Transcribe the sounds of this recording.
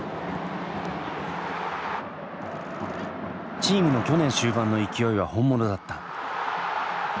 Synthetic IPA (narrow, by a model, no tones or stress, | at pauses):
t͡ɕiːmɯ̟no̞kʲo̞nẽ̞ɰ̃ɕɨːbãnːo̞ikʲijo̞iβ̞ahõ̞mːo̞no̞d̪at̪ːḁ